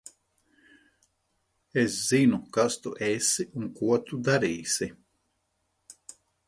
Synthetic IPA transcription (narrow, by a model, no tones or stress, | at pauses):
esz̥inukast̪uʔesiuŋkuɔt̪ud̪aɾiːsʲi